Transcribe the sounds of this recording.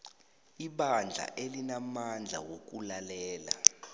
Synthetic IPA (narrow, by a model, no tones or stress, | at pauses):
iɓand͡ɮʱa̰ʔelinamand͡ɮʱa̰wok̬ʼulalɛːla̰